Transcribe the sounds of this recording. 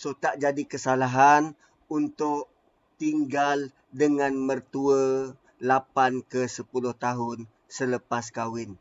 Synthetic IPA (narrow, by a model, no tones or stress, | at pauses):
sot̪aʔd͡ʒadikəsalaɦan | unt̪ʊʔ̚ | t̪iŋɡal | dəŋanmərt̪uə | lapankəsəpulʊht̪aɦʊn | sələpas̬kawɪn